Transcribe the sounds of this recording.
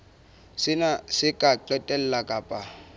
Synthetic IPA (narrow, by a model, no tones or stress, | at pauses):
sɪnasɪkʼaǃɛtʼɛl̩lakʼaːpʼa